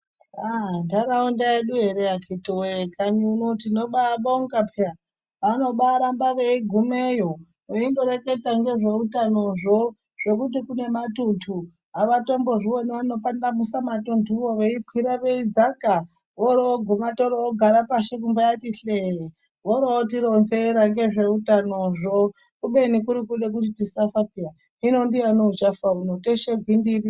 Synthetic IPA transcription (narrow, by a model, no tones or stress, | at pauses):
andaɾaundaeɗuɦe̞ɾeakʰitowekaɲiunotinoɓaɓaoŋɡapʰa | ʋano̞ɓaɾambaʋeiɡʱumejo | eindo̞ɾeke̞taŋɡe̞ʐeutano̞ʐo | ʐ̥e̞kut̬ikune̞matutʰu | aʋato̞mbo̞ʐiwoniano̞pandamusamatuntuwoʋeikʰwiɾaʋeid͡zaka | ʋoɾoɡʱumatoɾoɡʱaɾapaʃek̬umbajatiɬeɦe | ʋoɾoot̬iɾonzeɾaŋɡe̞ʐe̞utano̞ʐo | kuɓe̞nikuɾikuɗe̞k̬utitisafapia | inondijanot͡ʃafaunoteʃeɡʱwindiri